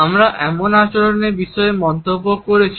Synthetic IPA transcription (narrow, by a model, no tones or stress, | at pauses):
amɾaʔɛmonat͡ɕoloneɾbiʃɔemɔnt̪obːokoɾet͡ɕʰi